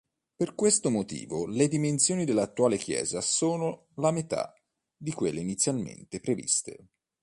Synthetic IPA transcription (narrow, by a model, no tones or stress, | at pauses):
perkwest̪omot̪ḭːvoled̪imensjoːnid̪elːat̪ːuaːlek̟jɛ̰ːzasoːno | lamet̪a̰ | d̪ikwelːeinit̪sːjalmḛnt̪epɾevḭst̪ḛ